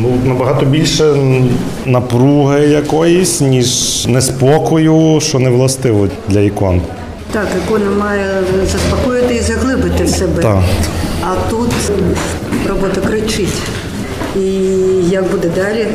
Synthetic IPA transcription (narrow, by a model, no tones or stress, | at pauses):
nunɐbɐɦɑt̪ɔbʲilʲʃɛ | nɐpɾuɦɪjɐkɔjisʲnʲiʒnɛspɔkɔjʊʃt͡ʃɔnɛʋlˠɐst̪ɪʋɔd̪lʲɐikɔ̰n | t̪ɑkɪkɔnɐmɑjɛzɐspɐkɔjɪt̪ɪizɐɦlˠɪbɪt̪ɪsɛbɛt̪aɐt̪ut̪ | rɔbɔt̪ɐkɾɪt͡ʃɪtʲ | ijɐkbud̪ɛd̪ɑlʲi